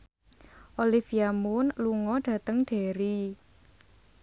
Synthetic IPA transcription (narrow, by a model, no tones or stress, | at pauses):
ʔolifiamʊnluŋɔɖ̥ä̤t̪əŋɖ̥e̤ɾi